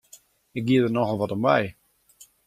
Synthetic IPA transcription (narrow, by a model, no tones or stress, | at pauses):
ɪk̚ɡiədərnɔxəlˠʋɔtɔmbɛj